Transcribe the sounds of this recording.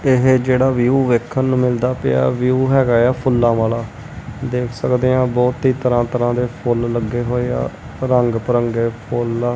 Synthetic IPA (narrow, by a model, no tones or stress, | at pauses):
ɪɦd͡ʒeːɽaːʋjuːʋeːkʰːənːũːmɪld̪aːpḛa̰ːʋijuːɦɛːɡaːjaːpʰʊlːãːʋaːlaː | d̪eːkʰsəkd̪eːãːbɔːt̪iːt̪əɾãːt̪əɾãːd̪eːpʰʊlləɡːeːɦoːeːa̰ː | ɾəŋɡpəɾəŋɡeːpʰola